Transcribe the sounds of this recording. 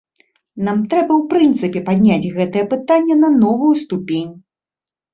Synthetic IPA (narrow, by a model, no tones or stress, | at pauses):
namt̪ɾɛbɐwpɾɨnt̪sɨpʲɛpad̪ʲnʲad͡zʲɣɛt̪ɨjɛpɨt̪anʲːɛnɐnɔvujust̪upʲenʲ